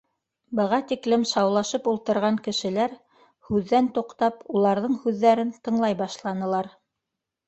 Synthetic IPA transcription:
bɤ̆ʁɑt̪iklɘmʃɑwlˠɑʃɤpulˠt̪ɤ̆ɾʁɑŋkɘ̆ʃɘ̆læɾ | hʉðːænt̪uqt̪ɑpulˠɑɾðɤɴhʉðːæɾɘnt̪ɤ̆ɴlˠɑjbɑʃlˠɑnɤ̆lˠɑɾ

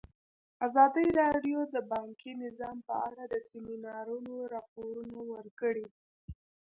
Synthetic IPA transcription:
azɑd̪əɾɑɖjod̪əbɑŋkʰinɪzɑmpə̰aɽad̪əsɪminɑɾunoɾɑpoɾunawəɾkəɽi

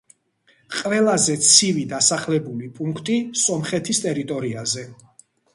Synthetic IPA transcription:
qʼvɛlˠazɛt̪sʰivid̪asaχlɛbulipʼuŋkʰt̪ʼisɔmχɛt̪ʰist̪ʼɛɾit̪ʼɔɾiazɛ

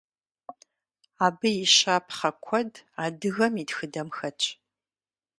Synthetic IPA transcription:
aːbɨjiʃaːpʰχɐkʷʰɔdaːdɨɣɐmidxɨdɐmxɐt͡ʃʰʼ

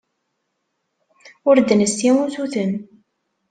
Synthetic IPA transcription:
ʊɾd̪ənəsæmuzuθən

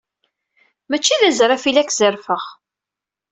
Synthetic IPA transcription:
mæt͡ʃːiðæzɾˤafilækːzəɾfəʁ

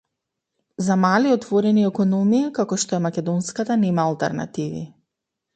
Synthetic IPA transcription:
zamaliɔt̪vɔɾɛniɛkɔnɔmiakakɔʃt̪ɔɛmakʲɛd̪ɔnskat̪anɛmaːlˠt̪ɛ̰ɾna̰t̪ivḭ

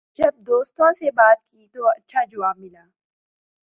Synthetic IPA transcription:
d͡ʒɐb̚d̪oːst̪õsebaːt̪kit̪oɐtːʃʰaːd͡ʒʊʋaːb̚mɪlaː

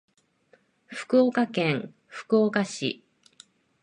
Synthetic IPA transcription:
ɸɯ̥kɯ̟okakẽ̞ŋ | ɸɯ̟̥kɯ̟okaɕḭ

